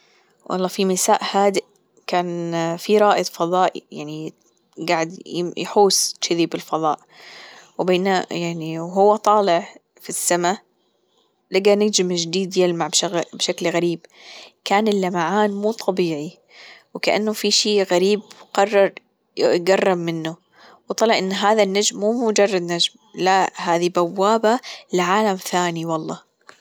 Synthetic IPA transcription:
wʔɑ̰lˤːɑːfimɪsaːʔhaːd̪ɪʔ | kaːnfiɾˤɑːʔɨd̪ˤfɑðˤɑːʔḭjaʕni | ɡaʕɪd̪ɪjħuːsʃɪðiːbɪlfɑðˤɑːʔ | wbeːnajaʕniwɦʊwːat̪ˤɑːlɪʕ | fisːama | laɡanɪɡd͡ʒɪmd͡ʒd̪iːd̪jɪlmaʕbʃabʃaklɣaɾiːbkaːnɪlːamaʕaːnmuːt̪ˤʰɑbiːʕi | wkaʔa̰nːʊfiʃiːɣaɾiːbqɑrˤːɑɾˤ | ɡɑrˤːɑbmɪnːʊ | wt̪ˤɑlɪʕʔɪnːɦaːðanːad͡ʒmːuːmʊd͡ʒɑrˤːɑd̪nad͡ʒm | lahaːðibawːaːbalɪʕaːlamθaːniwɑlˤːɑː

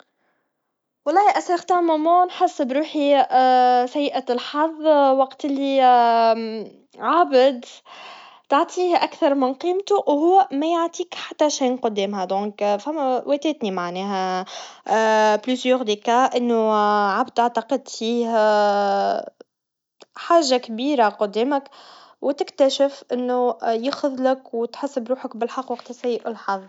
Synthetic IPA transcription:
wɑlˤːɑːhʔæsɪxt̪aʕmamonħasːbɾuːħi | sæjːʔælħɑðˤːwɑqt̪ɪlːi | ʕabəd̪ | t̪aʕt̪ˤʰiːhʔækθɑɾˤmɪnqiːmt̪uwhʊwːæmæjaʕt̪ˤiːkħat̪ːæʃæːnqʊd̪ːɛːmhæd̪õːkfæmːæwʔɛt̪ɛːt̪nimaʕnɛːɦæ | plysjoɣd̪ikaʔɪnːʊʕabd̪ʔaʕt̪ɑqɪd̪fiːh | ħaːʒakbiːɾaqʊd̪ːɛːməkwt̪ɪkt̪æʃɪfʔɪnːʊjɪxʊðlɪkwt̪ħɪsːɪbɾuːħəkbɪlħɑqːwɑq̚t̪sæjːɪʔɪlħɑðˤ

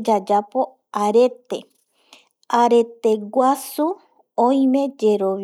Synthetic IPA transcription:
d͡ʒad͡ʒapo | aɾe̞t̪e | aɾet̪eɡʷasu | oj̃mẽ̞d͡ʒe̞ɾoʋ

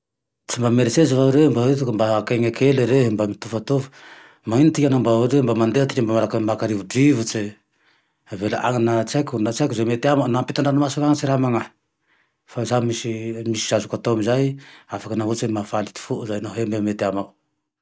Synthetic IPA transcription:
t͡ʃimbameɾesezavauɾembaɾet̪ukumbakeŋekeleɾeɦmbamit̪ufat̪uv̥ | maŋinit̪ikanambauɾembamand̪eat̪ikambamaɾakamakaɾivudivut͡ʃe | velaʔa̰ŋanat͡ʃakunat͡ʃakuzemet̪eamanampit̪aɳɖ͡ʐanamasaŋaŋat͡ʃiɾamaŋa | fazamisimisi̥sazukat̪omizajafakanavut͡ʃemafalit̪u̥fuʔuzajnoɦembemet̪eamau

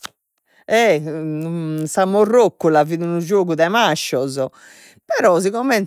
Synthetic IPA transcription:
ɛ | samorːokːulaviðunud͡ʒoːɣuðɛmaʃːɔzɔ | pɛɾɔziɣɔmɛn

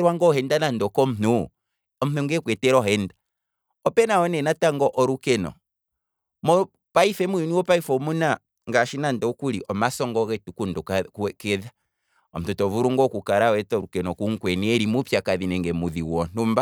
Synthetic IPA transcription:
ɾwaŋɡɔhɛndanandɔkɔm̩nu | ɔm̩nuŋɡɛkwɛtɛɾɔhɛnda | ɔpɛnaɔnɛnataŋɡɔʔɔɾukɛnɔ̰ | mɔ | paifɛmuiniwɔpaifɔmuna | ŋɡaʃinandɔkuɾiʔɔmasɔŋɡɔɣɛtukundukkɛkɛða | ɔm̩tutɔvuɾuŋɡɔkukaɾawɛtɔɾukɛnɔkuŋkwɛniɛɾimupjakaðinɛŋɡɛmuðiwɔn̥umba

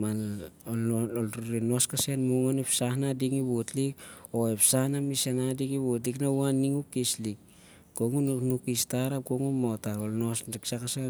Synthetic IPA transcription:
malololɾuɾinoskase̞nmuŋonepsahnadiŋiβutlik̚o̞epsahnamisenadiŋiβutliknauanːiŋukislik̚ | ɡ̥oŋununukistaɾap̚koŋumotaolno̞siksakase

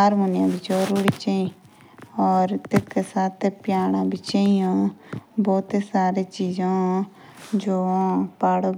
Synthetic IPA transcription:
aːɾmoːnjãːbit͡ʃoɾuːɾiːt͡ʃaːĩ | ɔːɾt̪ekesaːt̪ʰepjaːɽ̃ãːbit͡ʃaːijãːbɔːt̪esaːɾeːt͡ʃiːzãː | d͡ʒoːpaːɽo

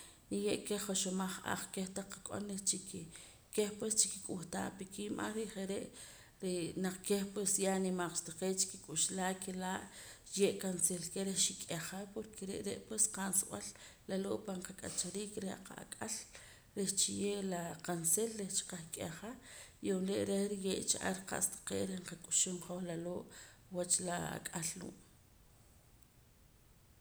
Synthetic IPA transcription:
nijeʔkeχoʃomaχa̰χkeht̪aakʼo̰nɾet͡ʃik | kehpwest͡ʃi̥kikʼuxt̪a̰ːʔpikʰimʔa̰χɾiʔχeɾeʔ | ɾenaq͡χkehpwesjanimaq͡χʃt̪aqeːt͡ʃi̥kikʼuʃlaːʔkelaːʔ | jeʔkanselkeɾehʃikʼeχapoɾkʰeɾḛʔɾeʔpwesqansɓallaloːʔpaɴqakʼa̰t͡ʃaɾiːkɾehaqa̰a̰kʼal | ɾeht͡ʃijeʔlaqanselɾeht͡ʃi̥qaχkʼeχajomleʔɾehɾijeʔt͡ʃaʔa̰ɾqa̰ʔst̪ḁqḛːʔɾehɴqakʼu̥ʃumχoxlaloːʔwat͡ʃlaa̰kʼalːṵːʔ

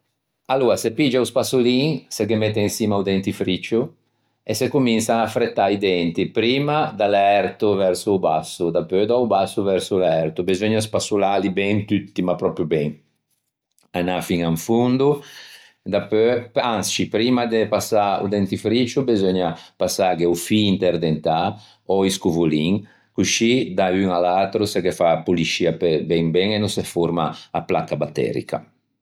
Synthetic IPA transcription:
aluɾasepid͡ʒauspasuliŋsekemɛt̪ːeinsiːmaud̪ɛnt̪ifɾit͡ʃu | esekuminsaːfɾet̪ːaid̪ɛnt̪ipɾiːmad̪alɛɾt̪uvɛɾsubasud̪apːød̪ɔubasːuvɛɾsulɛɾt̪ubezɔɲaspasulalibɛŋt̪yt̪ːimapɾɔpɾjubɛŋ | anafiŋaɱfund̪u | d̪apøanst͡ʃipɾimad̪epasaṵd̪ɛnt̪ifɾit͡ʃubezɔɲapasaɡeufiːnt̪ɛɾd̪ent̪a | ɔiskuvuliŋ | kuʃid̪ayŋalat̪ɾusɛkefapuliʃiapɛbɛŋbɛŋenũsɛfuɾmaaplakabat̪ːɛ̰ɾḭka̰

